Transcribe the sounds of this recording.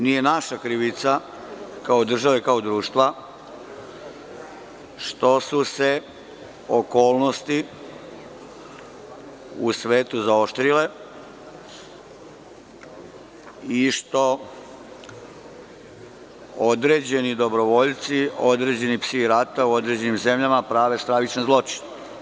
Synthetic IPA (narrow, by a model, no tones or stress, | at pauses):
nije̞naʃakɾiʋit̪sa | kao̞d̪r̩ʒaʋekaod̪ɾuːʃt̪ʋa | ʃt̪o̞suse̞ | oko̞ːlˠno̞st̪i | usʋe̞ːt̪uzao̞ʃt̪ɾile̞ | iʃt̪o̞ | od̪ɾe̞ːd͡ʑe̞nid̪o̞bɾo̞ʋo̞ʎt̪sio̞d̪ɾe̞d͡ʑe̞nipsiɾat̪auo̞d̪ɾe̞d͡ʑe̞nimze̞mʎamapɾaːʋe̞st̪ɾaʋit͡ʃnezlo̞t͡ʃi̥ne